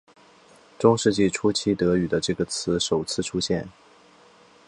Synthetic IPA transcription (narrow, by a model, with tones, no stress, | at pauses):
ʈ͡ʂʊ˥ŋʂɻ̩˥˧t͡ɕi˥˩ʈ͡ʂʰu˥t͡ɕʰi˥˩t̪ɤ˧˥y˨˩d̪ə˦ʈ͡ʂɤ˥˩ɡə˩t͡sʰɹ̩˧˥ʂo˨˩ʊt͡sʰɹ̩˥˩ʈ͡ʂʰu˥ɕjɛ˥˩n